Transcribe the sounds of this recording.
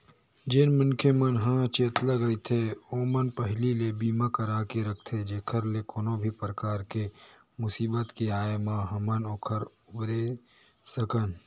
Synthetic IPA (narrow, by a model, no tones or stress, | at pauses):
d͡ʒeːnmʊnkʰemənɦãt͡ʃeːt̪laɡɐit̪ʰeoːmənpəɦlilebiːmãkəɾaːkeɾɐkʰt̪ʰed͡ʒeːkʰəɾlekoːnõbʱipɾəkaːɾke | mʊsiːbət̪kiaːmãɦɐmənoːkʰəɾ | ʊbɾe | səkən